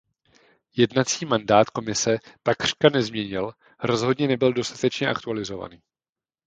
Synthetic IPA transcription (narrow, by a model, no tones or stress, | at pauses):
jɛdnat͡siːmandaːt̪ko̞mɪsɛt̪akr̝̥kanɛzmɲɛɲɪl | ɾo̞zɦo̞dɲɛnɛbɪldo̞st̪ḁt̪ɛt͡ʃɲɛʔakt̪ualɪzo̞va̰niː